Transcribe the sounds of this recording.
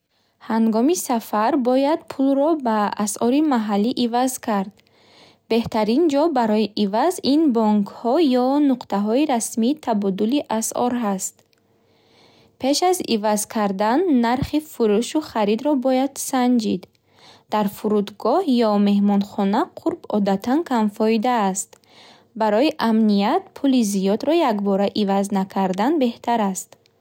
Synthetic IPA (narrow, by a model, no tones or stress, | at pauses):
haŋɡɔmisafaɾbɔjad̪̚pʰulrɔbaːsʔɔɾimaɦalːiʔivazkʰaɾd̪ | be̞ht̪aɾind͡ʒɔbaɾɔiʔivazinbɔŋkʰhɔjɔnuqt̪aɦɔiɾasmiːt̪ʰabɔd̪uliʔasɔ̰ɾɦast̪ | pʰe̞ʃazivazkʰaɾd̪anːaɾχifuɾuʃuχaɾid̪ɾɔbɔjad̪̥sand͡ʒid̪ | d̪̥aɾfuɾud̪ɡɔhjɔme̞ɦmɔnχɔnaqʰuɾbɔd̪at̪ʰankʰamfɔid̪aːst̪ | baɾɔiʔamnijat̪pʰulizijɔd̪ɾɔjakbɔɾaʔivaznakʰaɾd̪anbe̞ht̪ʰaɾast̪